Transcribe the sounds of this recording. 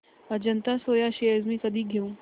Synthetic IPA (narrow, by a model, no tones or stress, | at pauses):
ɐd͡ʒɐnt̪asoːjaʃiəzmĩkɐd̪ʱiɡʱeũː